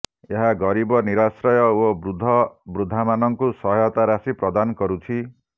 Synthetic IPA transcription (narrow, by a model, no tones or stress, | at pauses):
eɦaɡɔɾibɔniɾasɾɔjɔobɾud̪ʱːɔbɾud̪ʱːamanɔŋkusɔɦjɔt̪aɾasipɾɔd̪ankɔɾut͡ʃʰi